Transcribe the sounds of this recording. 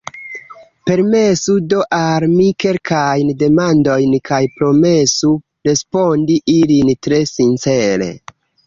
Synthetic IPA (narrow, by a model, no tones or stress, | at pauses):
pe̞ɾme̞sudo̞ʔaɾmike̞lkʰajnde̞mando̞jnkʰajpɾo̞me̞su | ɾe̞spo̞ndiʔilintɾe̞sint͡se̞ɾe̞̰